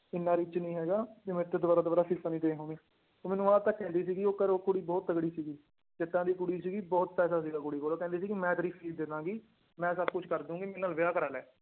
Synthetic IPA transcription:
ɪnːãːɾɪt͡ʃnĩːɦɛːɡaːt̪eːmɛ̃ːɪt̪ːeːd̪ʊʋaːɾaːd̪ʊaːɾaːsɪsaniːt̪ẽːɦõːmẽː | oːmɛːnũːaːt̪aːkɛ̃ːnd̪iːsiːɡioːkəɾoːkʊɽiːbɔːt̪ːəɡɽiːsiːɡiː | d͡ʒɪt̪ːãːd̪iːkʊɽiːsiːɡiːbɔːt̪pɛːsaːsiːɡaːkʊɽiːkoːloːkɛ̃nd̪iːsiːkimɛ̃ːt̪əɾiːpʰiːld̪eːd̪ãːɡiː | mɛ̃ːsəbkʊt͡ʃʰkəɾd̪ũːɡiːmɪnːəːlʋɪjaːkəɾaːlɛː

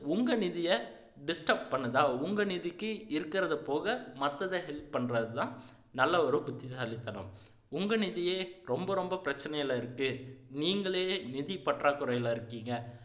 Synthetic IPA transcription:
ʊŋɡɐnɪðɪjɐ | ɖɪsʈɐp̚pɐɳːɐðaːʊŋɡɐnɪðɪkːɯɪɾɯkːɪɾɐðɯpoːɣɐmɐt̪ːɐðɐɦɛlp̚pɐɳːɾɐðɯt̪ãː | nɐlːɐɐɾɯ̃bʊt̪ːɪsɐlɪt̪ːɐnʊ̰̃m | ʊŋɡɐnɪðɪjeːɾɔmbɐɾɔmbɐpɪɾɐt͡ʃːɐnɐjɐlaɪɾɯkːɯniːŋɡɐɭeːnɪðɪpːɐʈraːkʊɾɐjɐlaɪɾɯkːiːŋɡɐ

